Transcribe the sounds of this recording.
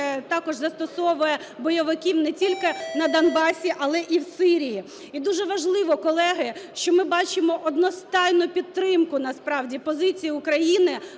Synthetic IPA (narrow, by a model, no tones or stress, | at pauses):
t̪ɑkɔʒzɐst̪ɔsɔʋʊjɛ | bɔjɔʋɪkʲiwnɛtʲilʲkɪnɐd̪ɐnbɑsʲiʔɐlˠɛʔiwsɪɾʲiji | id̪uʒɛʋɐʒlˠɪʋɔkɔlˠɛɦɪʃt͡ʃɔmɪbɑt͡ʃɪmɔʔɔd̪nɔst̪ɑjnʊpʲid̪ɾɪmkʊnɐspɾɑwdʲipɔzɪt͡sʲijiʊkɾɐjinɪ